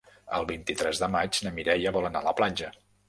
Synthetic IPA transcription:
ə̰lˠβint̪it̪ɾɛzðəmad͡ʒnəmiɾɛʎəβɔlənaləplanʲd͡ʒə

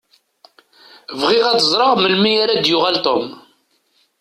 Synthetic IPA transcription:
vʁɪʁat͡səzˤɾˤɑʁməlmijaɾad̪jʊʁælt̪om

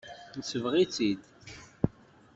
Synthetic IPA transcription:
nəsəvʁit͡sːid̪

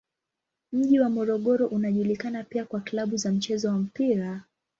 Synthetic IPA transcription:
m̩ʄiwamɔɾɔɠɔɾɔʔunaʄulikanapiakwaklaɓuzam̩t͡ʃɛzɔwam̩piɾa

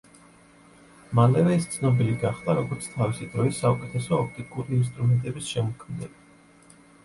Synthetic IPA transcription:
malɛvɛist̪sʰnɔbiliɡaχd̪aɾɔɡɔɾt̪sʰt̪ʰavisid̪ɾɔisːaukʼɛt̪ʰɛsɔːpʰt̪ʼikʼuɾiːns̬t̪ʼɾumɛnt̪ʼɛbisʃɛmɔkʰmnɛbi

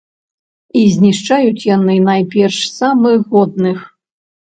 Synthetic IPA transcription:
izʲnʲiʂt͡ʂajut͡sʲjanɨnajpʲɛrʂsamɨxɣɔd̪̚nɨx

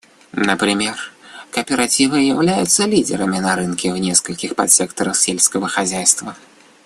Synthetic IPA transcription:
nɐpɾɨmʲɛrkɐpʲɛɾat͡sʲivɨjawlʲajut̪sːɐlʲid̪ʲɛɾɐmʲinɐɾɨnkʲɛwnʲɛskɐlʲkʲixpɐ̰t̪sʲɛkt̪ɐɾɐxsʲelʲsʲkɐvɐxazʲajst̪vɐ

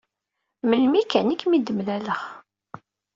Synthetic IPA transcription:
məlmikænikːmid̪əmlæləχ

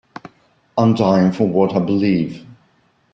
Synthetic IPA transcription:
ãmdaɪɪ̃ŋfəwʌɾaɪbəliːv̥

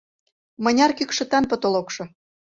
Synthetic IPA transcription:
mɤ̆nʲɑrkykʃə̆t̪ɑnpɤ̆t̪olokʃɤ̆

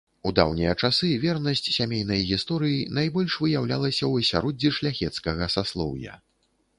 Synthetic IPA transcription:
ud̪a̰wnʲɛjɐt͡ʂasɨvʲɛrnɐsʲt͡sʲsʲamʲejnɐjɣʲist̪ɔɾɨjinajbɔlʲʂvɨjawlʲalˠɐsʲɐwsʲaɾɔd͡zʲːiʂlʲaxʲɛt̪skɐɣɐsaslˠɔ̰wjɐ̰

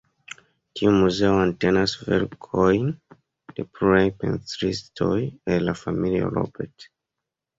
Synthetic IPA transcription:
tʰiumuzeoantenasvḛɾkʰojn | d̥epʰɾuɾajpḛ̃nt͡sɾistʰojelafamilio̰lo̰beɾt

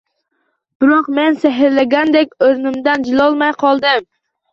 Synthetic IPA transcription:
b̥ɪɾoqmenseɦɪɾlæɡʲænd̪ekʲøɾnɪmd̪ænd͡ʒɪlˠɒlˠmɑjqʰɑlˠd̪ɪm

